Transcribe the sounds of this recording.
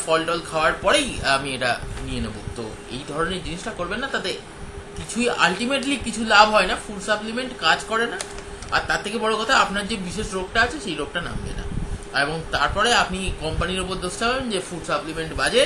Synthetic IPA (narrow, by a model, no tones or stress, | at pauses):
fɔlʈɔlkʰaoaɾpɔɽejamieʈa̰nienḛbo̰t̪ːo̰ | ḛjd̪ʱɔɾoneɾd͡ʑiniʃʈakoɾbenːat̪at̪e | kit͡ɕʰuja̰lʈimeʈ̬likit͡ɕʰulabʱɦɔenafuɖsaplimeɳʈkad͡ʑkɔɾena | a̰ɾt̪at̪ʰːekebɔɽokɔt̪ʰaapnaɾd͡ʑebiʃeʃɾok̚ʈaat͡ɕʰeʃejɾoɡ̚ʈana̰mbḛna̰eboŋt̪aɾpɔɾeapnikɔmpaniɾop̬oɾd̪ʱoʃʈaabend͡ʑefuɖsaplimeɳʈbad͡ʑe